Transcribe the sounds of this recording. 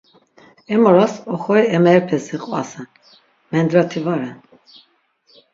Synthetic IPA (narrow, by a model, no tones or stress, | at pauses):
ɛmɔɾasɔχɔiɛmɛɾpʰɛsiqʼva̰sɛn | mɛnd̪ɾat̪ʰivaɾɛn